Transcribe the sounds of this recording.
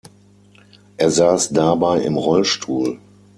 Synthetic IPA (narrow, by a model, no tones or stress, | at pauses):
ʔeːɐzaːsdabaɪʔɪ̰mʁɔlʃtʰuːl